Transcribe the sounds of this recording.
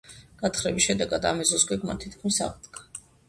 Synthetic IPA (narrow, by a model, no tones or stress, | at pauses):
ɡ̥at̪χɾɛbisʃɛd̪ɛɡad̪a̰mɛzɔsɡɛɡmant̪ʰit̪̚ʰkʰmisa̰ʁd̪ɡa